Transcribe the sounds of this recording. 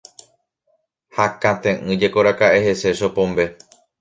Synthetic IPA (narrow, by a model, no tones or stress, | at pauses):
hakãt̪ẽʔɨ̃d͡ʒe̞ko̞ɾakaʔe̞ɦe̞se̞ʃo̞põ̞mbe̞